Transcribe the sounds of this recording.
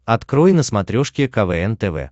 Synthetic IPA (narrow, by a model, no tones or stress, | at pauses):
ɐt̪kɾojnəsmɐt̪ɾʲoʂkʲɪkɐvɛɛnt̪ɛvɛ̰